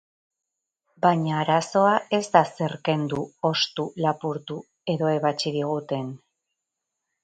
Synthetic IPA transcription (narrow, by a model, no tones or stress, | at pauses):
baɲaːɾaso̞ae̞zd̪ase̞ɾke̞nd̪uo̞st̪ulapuɾt̪u | e̞ðo̞e̞βat͡ʃiðiɣ̞ut̪e̞n